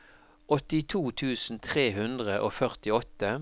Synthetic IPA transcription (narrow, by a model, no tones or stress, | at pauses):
ʔɔt̪ɪt̪ʰuːt̪ʰʉːsn̩t̪ʰʁeːɦʉnd̪ʁəʔoːfœʁt̪ɪɔt̪ə